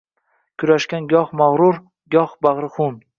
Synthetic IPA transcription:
kʲʰʊɾaʃkʲanɡʲɒhmaʁɾʊɾ | ɡʲɒhbaʁɾɨχʊn

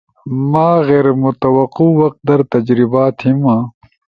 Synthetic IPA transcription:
maːɣeːɾmut̪ɐwɐquwɐq̚t̪̚d̪ɐɾt̪ɐd͡ʑɾibaːt̪himãː

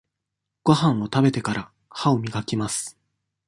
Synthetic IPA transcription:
ɡ̥o̞ɦãɰ̃o̞t̪abe̞t̪e̞kaɾa | haomʲiɡakʲimasɨ̥

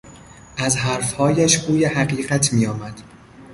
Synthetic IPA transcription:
ʔæzɦæɾfhɒːjæʃɡuːjehæɢiːɢæt̪ʰmijɒːmæd̪̥

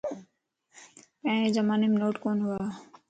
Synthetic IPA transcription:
pɛ̃ed͡ʒəmaːneːmnoːʈkoːnɦʊaː

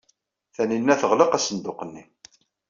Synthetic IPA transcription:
θæninːæθəʁləqæsənd̪ʊqənːi

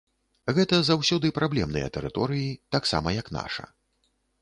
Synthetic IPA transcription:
ɣɛt̪ɐzawsʲɔd̪ɨpɾʔablʲɛmnɨ̰jɐ̰t̪ɛɾɨt̪ɔɾɨjit̪aksa̰mɐjɐkn̪a̰ʂɐ̰

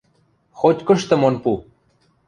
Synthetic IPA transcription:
xot͡ɕkoʂt̪əmonpu

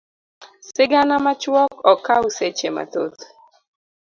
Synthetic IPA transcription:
sɪɡanamat͡ʃwɔkɔkauset͡ʃema̰t̪o̰t̪

